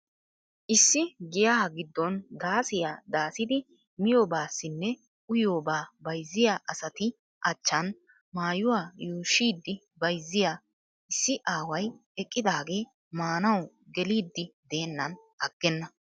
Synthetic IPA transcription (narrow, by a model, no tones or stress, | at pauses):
ʔɪsːɪɡɪjaːɡɪd̪ːɔnd̪aːsɪjad̪aːsɪd̪ɪ | mɪjoːbaːsːɪnːɛ | ʊjo̞ːbaːbɐjzːɪjaːʔɐsɐt̪ɪ | ʔɐt͡ʃːɐn | maːjʊwaːjuːʃːiːd̪ːɪ | bɐjzːɪjaː | ʔɪsːɪʔaːwɐjɛkʼːɪd̪aːɡe̞ː | maːnɐw | ɡɛliːd̪ːɪd̪e̞ːnːɐn | ɐɡ̥ːɛnːɐ